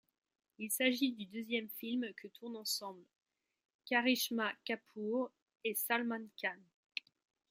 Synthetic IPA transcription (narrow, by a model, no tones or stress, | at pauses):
ilsaʒid̪yd̪øzjɛmfilmkʰət̪ʰuʁnɑ̃sɑ̃bl | kaʁiʃmakapʰuʁ | esalmãnkʲan